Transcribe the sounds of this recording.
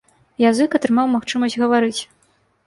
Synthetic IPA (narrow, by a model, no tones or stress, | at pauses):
jazɨkɐt̪ɾɨmawmaxt͡ʂɨmɐsʲd͡zʲɣɐvaɾɨt͡sʲ